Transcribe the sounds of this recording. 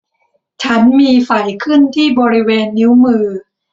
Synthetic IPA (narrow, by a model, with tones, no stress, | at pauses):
t͡ɕʰa˦˥nmiː˧fa˨˩jkʰɯ˥˩nt̪ʰiː˥˩bɔː˧ɾi˦˥weː˧nːi˦˥wmɯː˧